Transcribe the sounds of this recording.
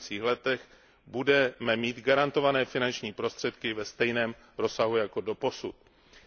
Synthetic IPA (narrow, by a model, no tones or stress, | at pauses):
t͡siːxlɛt̪ɛx | budɛmɛmiːt̪ɡaɾant̪o̞vanɛːfɪnant͡ʃɲiːpɾo̞st̪r̥ɛt̪kɪvɛst̪ɛjnɛːm | ɾo̞saɦujako̞do̞po̞sut̪